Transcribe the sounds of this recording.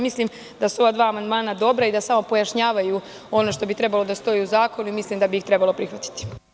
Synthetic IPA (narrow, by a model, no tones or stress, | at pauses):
mislim | d̪asuo̞ʋad̪ʋaːmand̪maːnad̪o̞bɾaid̪asamo̞po̞jaʃɲaːʋaju | o̞no̞ʃt̪o̞bit̪ɾe̞balo̞d̪ast̪o̞jiuzaːko̞nuimislimd̪abiixt̪ɾe̞balˠo̞pɾixʋat̪i̥t̪i̥